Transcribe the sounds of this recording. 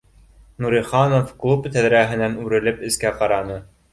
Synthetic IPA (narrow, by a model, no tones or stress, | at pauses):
nuɾʲiχɑnofklˠupt̪æðɾæɦɘ̆nænʉɾɘ̆lɘpɘ̆skæqɑɾɑnɤ